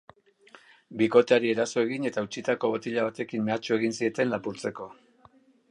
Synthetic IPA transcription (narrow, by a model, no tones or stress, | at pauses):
biko̞t̪eaɾie̞ɾaso̞e̞ɣine̞t̪aut͡ʃit̪ako̞βot̪iʎaβ̞at̪e̞kimme̞at͡ʃue̞ɣinsie̞t̪e̞nlapuɾt͡se̞ko̞